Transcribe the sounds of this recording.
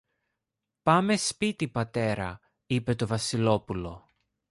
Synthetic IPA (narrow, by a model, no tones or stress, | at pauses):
pɐme̞spit̪ipɐt̪e̞ɾɐ̰ | ipe̞t̪o̞vɐsilo̞pulo̞